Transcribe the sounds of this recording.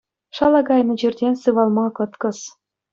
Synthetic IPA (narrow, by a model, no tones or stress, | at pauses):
ʃɑlɑɡɑjnɤ̆d͡ʑerd̪ʲensɯβɑlˠmɑkɤ̆t̪kɤ̆s